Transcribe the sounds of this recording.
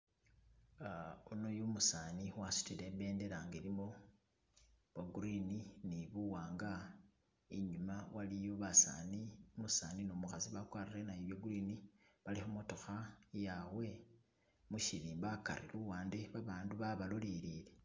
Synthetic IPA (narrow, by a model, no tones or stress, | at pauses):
unojomusaniwasu̥tile̞mbe̞ːnde̞laːŋɡelimo | βaɡuɾininiβuwaːŋɡa | iɲumawalijo̞βasa̰nimusaːninomuxaziβakwaːriɾenajiβjoɡuɾiniβalixumo̞to̞xajawe̞ | muʃilibaka̰ɾḭluwaːndeβaβaːnduβaβalolilile